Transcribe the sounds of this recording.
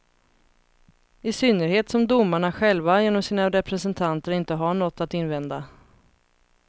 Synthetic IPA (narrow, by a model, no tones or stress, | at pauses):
ɪsʏnːəɾheːt̪sɔmd̪ʊmːaɳaɧɛlvajeːnɔmsiːnaɾɛpɾɛsɛnt̪ʰant̪əɾɪnt̪əɦaɳɔt̪ːat̪ɪnvɛnd̪a